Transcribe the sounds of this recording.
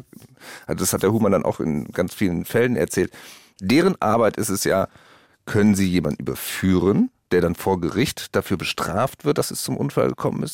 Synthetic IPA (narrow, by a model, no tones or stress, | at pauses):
ʔalzodashatd̥eɐhuːmandanʔa̰ʊxɪ̰nɡ̥ant͡sfiːlənfɛlənɛ̰ɐt͡sɛːlt | d̥eːʁ̞ənʔa̰ɐbaɪtʔɪstɛsjaː | kʰœnənziːjeːmandn̩ʔy̰ːbɐfyːʁənd̥eːɐɾanfoːɐɡəʁɪçtd̥afyːɐbəʃtʁ̥aːftv̥ɪɐt̚d̥asɛst͡sʊmʔʊ̰nfa̰lɡəkʰɔmə̰nɪst